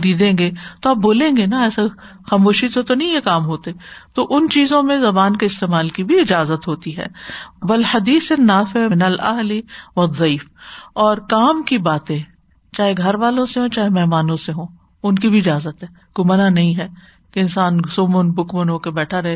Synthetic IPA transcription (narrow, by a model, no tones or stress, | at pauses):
ɾiːd̪ẽːŋɡet̪oɐb̚boːlẽːɡenaɛːsa | xaːmoːʃit̪ot̪onɐɦĩjekaːmɦoːt̪et̪oːʔʊnt͡ʃiːzõmẽzɐbaːnkeɪst̪eːmaːlkibʱiɪd͡ʒaːzət̪ɦoːt̪iɦɛ̰ːʋɐlhɐd̪iːsenːaːfɪmɪnɐlɐ̰ɦliʋɐd̪ˤːɐiːfɔːɾkaːmkibaːt̪ẽ | t͡ʃaːɦeɡʱɐɾʋaːlõseɦõːt͡ʃaːɦemɛɦmaːnõseɦõː | ʊnkibʱiɪd͡ʒaːzət̪ɦɛːɡ̥ʊmənanɐɦĩɦɛː | keɪnsaːnsʊmənbʱʊkmənɦoːkebɛːʈʰaɾɐɦe